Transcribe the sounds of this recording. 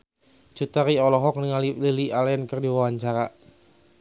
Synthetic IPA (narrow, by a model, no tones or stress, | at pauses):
t͡ʃut̪aɾiɔlɔɦɔk̚niŋalililialənkərdiwawaɲt͡ʃaɾa